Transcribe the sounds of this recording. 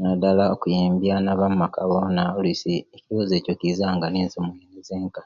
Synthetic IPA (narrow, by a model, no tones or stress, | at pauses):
nadalaokujiːmbjanaβamumakʰaβonaolisieciβoze̞ːcokizaŋɡaneːnsomuenizeːŋka